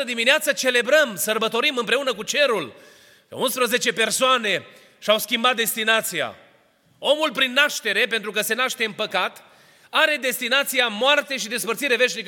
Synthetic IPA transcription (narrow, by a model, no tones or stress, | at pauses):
əd̪imineat̪sət͡ʃe̞le̞bɾəmsərbət̪o̞ɾimɨmpɾe̞unəkut͡ʃe̞ɾul | kə̰unspɾəze̞t͡ʃe̞pe̞rsoane̞ | ʃiawskʲimbat̪̚d̪e̞st̪inat̪sija̰ | o̞mulpɾinːaʃt̪e̞ɾe̞p̬ent̪ɾukəse̞naʃt̪e̞ɨnpəkat̪ | aɾe̞d̪e̞st̪inat̪sijamoart̪e̞ʃid̪e̞spərt̪siɾe̞ve̞ʃnik